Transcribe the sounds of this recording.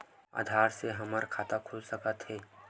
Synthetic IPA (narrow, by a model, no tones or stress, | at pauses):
a̰ːd̪ʱaːɾseɦɐməɾkʰaːt̪akʰʊlsəkət̪ɦɛː